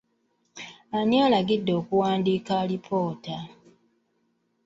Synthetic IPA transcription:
aɲialaɡidːo̞ːkuwaːndiːkalipʰo̞ːta

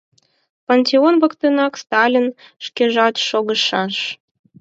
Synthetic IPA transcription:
ponʲt̪ʲeonβəkt̪ənɑkst̪ɑlʲinʃkʲeʒɑt̪ʃoɣəʃɑʃ

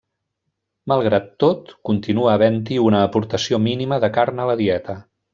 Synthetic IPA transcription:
məlˠɣɾat̪ːot̪kunt̪inuəːβɛnt̪̬iunəːpuɾt̪əsiominiməðəkaɾnələðiɛt̪ə

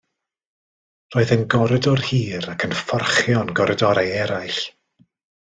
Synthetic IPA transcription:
roːɨðənɡɔɾɛdɔrhiːɾakʰənfɔrχjɔnɡɔɾɛdɔɾajɛɾajɬ

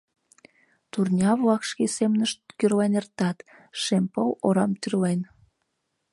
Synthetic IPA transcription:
t̪urnʲɑβlɑkʃkesemnəʃt̪kyrlenert̪ɑt̪ | ʃempəloɾɑmt̪yrlen

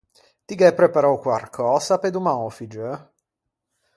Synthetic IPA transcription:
t̪iɡɛpːɾepaɾawkwarkʰɔːsaped̪umaofid͡ʒə

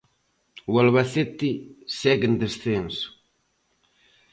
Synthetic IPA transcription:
walβaθet̪isɛɡend̪esθensu̥

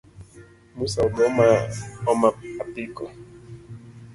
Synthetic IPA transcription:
musaɔɓɔmaɔmaapikɔ

